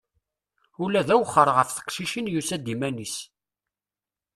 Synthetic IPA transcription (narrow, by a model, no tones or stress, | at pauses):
ulæðæwəχːəɾˤʁəfθə̥qʃiʃinjusæd̪imænis